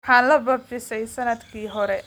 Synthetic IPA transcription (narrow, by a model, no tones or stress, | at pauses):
ħaːnlɐbɐbfɪsɛjsɐnɐd̪kʰiːɦɔɾɛ